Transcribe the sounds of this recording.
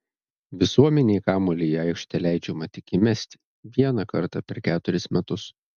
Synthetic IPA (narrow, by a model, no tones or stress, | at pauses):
ʋʲɪsuɔmʲɛnʲeɪkɑːmoːlʲejɑˑɪkʃʲt̪ʲɛlʲæˑɪd͡ʒʲɛmɐt̪ʲɪkʲɪmʲæsʲt̪ʲɪ̥ | ʋʲiɛnɐkɐ̰ɾt̪ɐpʲɛɾkʲæːt̪ʊɾʲɪsmʲɛt̪ʊs